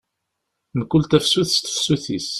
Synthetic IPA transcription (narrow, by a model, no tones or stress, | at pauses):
nəkːʊlt̪æfsuθst̪fsuθis